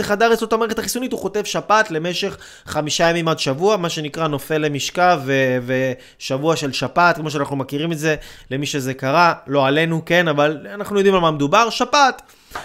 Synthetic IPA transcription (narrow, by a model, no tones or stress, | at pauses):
eχadaʁet͡sslot̪amaʁeχetaχisunituχo̞te̞vʃapat̪le̞me̞ʃe̞χː | amiʃajemimadʃavuamaʃe̞nikʁano̞fe̞lemiʃkaveve | ʃavuaʃe̞lʃapat̪̚kmo̞ʃ̬eanaχnumakiʁime̞tze̞le̞miʃe̞ze̞kaʁalo̞ale̞nuke̞navalanaχnujo̞d̪imalmamed̪ubaʁʃapat̪